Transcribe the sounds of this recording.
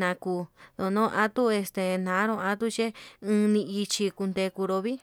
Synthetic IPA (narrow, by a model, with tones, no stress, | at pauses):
nã˨˧kuː˧ðo˧˨nõ˦˧ʔã˦t̪u˦e˧st̪e˨nã˨˦ɾõ˧ã˧˦t̪u˦t͡ʃe˦ɨ̃ː˧nĩ˧i˧t͡ʃi˧ku˧nd̪e˧ku˧ɾo˧βi˦